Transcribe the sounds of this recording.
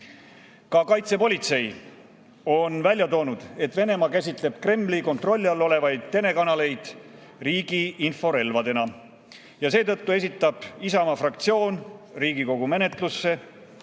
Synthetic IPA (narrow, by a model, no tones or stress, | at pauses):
kɑkɑjt̪se̞po̞lʲit̪se̞j | o̞nvælʲjɑt̪o̞ːnud̪̥e̞t̪ːˑve̞ne̞mɑkæsʲit̪le̞b̥kre̞mːliko̞nt̪ro̞lʲːiɑlo̞le̞vɑjd̪̥̚t̪e̞ne̞kɑnɑle̞jd̪̥ | riːɡ̥iinfo̞ɾe̞lvɑd̪e̞nɑ | jɑse̞ːt̪ɤt̪ːue̞s̬ʲit̪ːˑɑb̥isɑmɑfrɑk̚t̪sio̞ːnriːɡiko̞ɡ̥ume̞ne̞t̪ˑlusːe̞